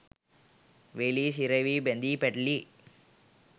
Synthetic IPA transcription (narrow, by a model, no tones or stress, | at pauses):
ʋelisiɾɐʋibend̪ipɛʈli